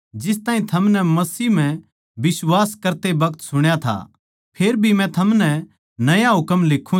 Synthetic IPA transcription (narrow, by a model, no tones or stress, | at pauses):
d͡ʒɪs̬t̪aːɦĩt̪ʰɐmnɛmɐsiːm̤ɛ̃ | bɪswaːskɐɾt̪ebɐɡt̪sʊɽ̃jat̪ʰa̰ | pʰeːɾbʱimɛ̃t̪ʰɐmnɛ | nɐjaɦʊkəmleːkʰːũ